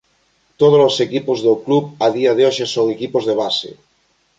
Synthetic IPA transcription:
t̪oð̞olosekipozðokluβaðiaðeoʃesoŋekipozðeβ̞asḛ

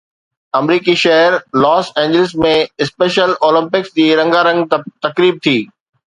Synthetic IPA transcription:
ɐmɾiːkiʃɐɦəɾlɔːsẽːɲd͡ʑɪlɪsmẽɪspeːʃəloːlɪ̃mpɪksd͡ʑiːɾɐ̃ŋɡaːɾɐ̃ŋɡt̪ɐkɾiːb̚t̪ʰiː

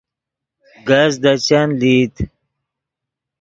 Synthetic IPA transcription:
ɡɐzd̪ɐt͡ɕanlit̪

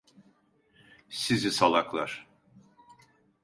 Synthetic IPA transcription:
sizisalˠaklˠaɾ̥

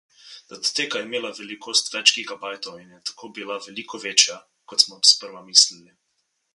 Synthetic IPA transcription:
d̪ad̪t̪eːkaɛimeːlavɛlikʰoːst̪ʋɛt͡ʃkiɣɡabajt̪ɔwinjɛt̪ḁkʰoːbilavɛliːkɔʋeːt͡ʃja | kɔt̪smɔspəɾʋamislili

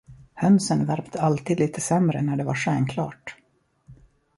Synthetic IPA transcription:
hœnsənvæɾpt̪ʰəalt̪iːd̪liːt̪ʰəsɛmɾə̰næɖɛva̰ɾʂɛːnkʰlɑ̰ːʈ

